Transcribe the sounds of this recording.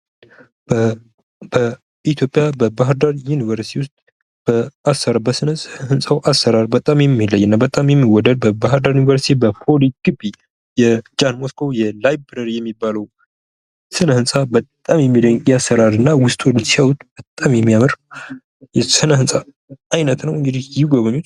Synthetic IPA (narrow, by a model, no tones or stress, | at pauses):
b | bə | it̪ʰjo̞pʼjabəbaɦɨɾd̪aɾjunivəɾst̪ʰiwʊst̪ʼ | b̥əasːəɾabəsɨnəsʼhəhɨnsʼawʔasːəɾaɾbət̪ʼamjɛmːilːəjːɨnːabət̪ʼamjɛmːiwɔd̪əd̪̚bəbaɦɾd̪aɾjunivəɾsit̪ʰibəfʰoliɡ̥ɨbi | jɛd͡ʒanmoskʰo̞jɛlajbbɾəɾjɛmːibːaləw | sɨnəhɨnsʼabət̪ʼːamjɛmːid̪əɲkʼjasːəɾaɾɨnːawʊst̪ʰʼolɨsiawut̪b̥ət̪ʼːamjɛmːijamɨɾ | jɛsɨnəɦɨnsʼa | ʔajnət̪nəwɨŋɡɨd̪ihjɪɡoβəɲut͡ʃ